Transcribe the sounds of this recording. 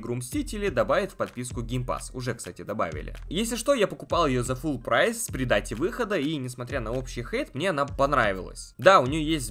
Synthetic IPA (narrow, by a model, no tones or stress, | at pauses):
ɡɾʊmsʲtʲitʲɪlʲɪd̪ɐbavʲɪt̪ʲfʲpɐt̪̚pʲiskʊɡʲɪmpa̰sʊʐɛkst̪atʲɪd̪ɐba̰vʲɪ̰lʲɪ̰jesʲlʲɪʂt̪o̞japəkʊpɑlˠjɪjozɐfulˠpɾajspɾʲɪd̪atʲɪvɨxəd̪əinʲɪsmɐt̪ɾʲanɐo̞pɕːɪjxejt̪mnʲe̞ɐnapɐnɾavɪvʲɪ̰lˠə̰sʲd̪aʊnʲɪjojesʲtʲ